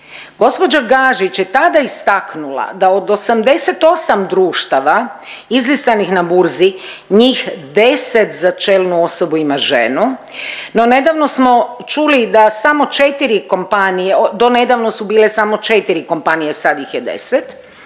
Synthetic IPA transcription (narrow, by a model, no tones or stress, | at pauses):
ɡo̞spo̞d͡ʒaɡaʒit͡ʃjet̪ad̪aist̪aknula̰d̪aod̪o̞samd̪e̞set̪o̞samd̪ɾuːʃt̪aʋaizlist̪anixnabuɾziɲiːxd̪e̞set̪zat͡ʃelˠnuo̞so̞buimaʒe̞̰nu | no̞ne̞d̪aʋno̞smo̞t͡ʃulid̪asamo̞t͡ʃe̞t̪iɾiko̞mpanijeod̪o̞ne̞d̪aʋno̞subiːle̞samo̞t͡ʃe̞t̪iɾiko̞mpanijesad̪jixjed̪ḛset̪